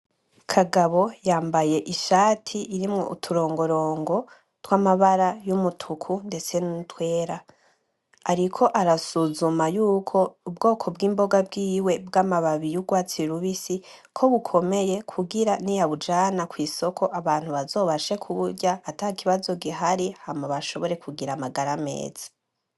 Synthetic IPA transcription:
kʰaɡaβo̞jaːmbaje̞ʔiʃaːtʰiʔːɾimŋo̰ʔṵtʰuɾo̞ːŋɡo̞ɾo̞ːŋɡo̞ | twamaβaɾajumutʰukʰunde̞t͡se̞nuutwe̞ːɾa | aɾikʰo̞ʔaɾasuzumajuːkʰo̞ubɡo̞ːkʰo̞bɡiːmbo̞ɡab̚ɡiːwe̞bɡamaβaβijuɡwaːt͡siɾuβisi | kʰo̞βukʰo̞me̞je̞kʰuɡiɾanijaβud͡ʒaːnakwiːso̞kʰo̞ʔaβaːn̥huβazo̞ːβaʃe̞kʰuβuɾɟaːtakiβazo̞ɡiɦaɾihamaβaʃo̞βo̞ɾe̞kuɡiɾamaɡaɾame̞̰ːz̥ḁ

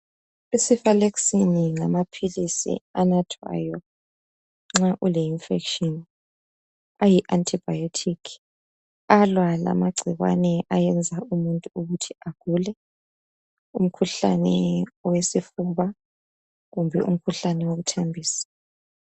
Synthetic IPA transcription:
isifaleksiniŋamapʰilisḭanatʰwa̰ːjɔ | ŋ͡ǁaʔulɛinfekʃɔn | ajiʔantʰib̥ajotʰikʰ | alwala̰maɡ͡ǀʱiɣwa̰nɛʔajɛnd͡zʱaumuntʼuuɣutʰiaɡ̥ʱulɛ | um̩kʰuɬa̰nɛwesifuβa | ɣumbʱɛ̰ʔṵm̩kʰuɬanɛwoɣutʰembʱiːsḁ

